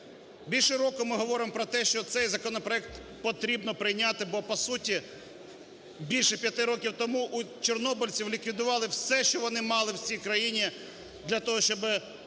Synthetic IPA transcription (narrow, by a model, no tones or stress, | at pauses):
bʲilʲʃɛɾɔkʊmɪɦɔʋɔɾɪmpɾɔt̪ɛʃt͡ʃɔt̪sɛjzɐkɔnɔpɾɔɛk̚t̪ | pɔt̪ɾʲibnɔpɾɪjnʲat̪ɪbɔpɔsutʲi | bʲilʲʃɛpʲjɐt̪ɪɾɔkʲiwt̪ɔmuʔut͡ʃernɔbʊlʲt͡sʲiwlʲikʋʲid̪ʊʋɑlˠɪwsɛʃt͡ʃɔʋɔnɪmɑlˠɪwt͡sʲijkɾɐjinʲi | d̪lʲɐt̪ɔɦɔʃt͡ʃɔbɪ